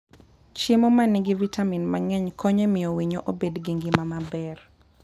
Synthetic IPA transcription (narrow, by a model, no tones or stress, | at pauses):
t͡ʃimomanɪɡivitaminmaŋɛɲkʰɔɲemɪjowiɲoʔobedɡiŋɡɪmamabɛr